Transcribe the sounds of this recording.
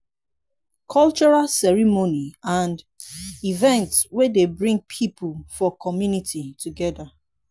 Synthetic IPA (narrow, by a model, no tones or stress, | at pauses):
kʰɔlt͡ʃɔɹalsɛɹimoniãnd | ivɛ̃ntswedebɹĩŋɡ̚pʰipulfɔkʰɔmjunitʰituɡɛda